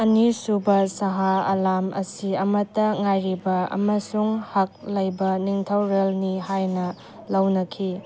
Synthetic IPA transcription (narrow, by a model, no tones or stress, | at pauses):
ɐnisubɐsɐɦaɐ̰lamʔɐ̰siɐmɐtɐŋajɾibɐɐ̰mɐsuŋhak̚lɐjbɐniŋtʰawɾelnihajnɐ | lɐwnɐkʰi